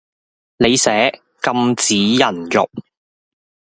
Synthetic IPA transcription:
ne˨˧jsɛː˨˥ | kɐ˧mt͡siː˨˥jɐ˨˩njʊ̰˨k̚

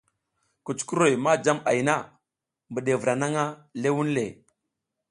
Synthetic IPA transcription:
ku˨t͡ʃku˦ɾo˦˨jma˦d͡ʒa˦ma˨jna˦ | mbə˨ɗe˨vɾa˨na˦ŋa˦le˦wu˦nle˨

